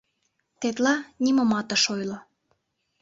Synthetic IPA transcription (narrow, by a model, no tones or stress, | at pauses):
t̪et̪lɑnʲimə̆mɑt̪ə̆ʃojlŏ